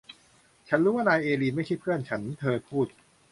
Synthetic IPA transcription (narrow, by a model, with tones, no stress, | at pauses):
t͡ɕʰa˦˥nɾuː˦˥waː˥˩naː˧jʔeː˧liː˧ma˥˩jt͡ɕʰa˥˩pʰɯ˥˩ənt͡ɕʰa˦˥nt̪ʰɤː˧pʰuː˥˩t̪̚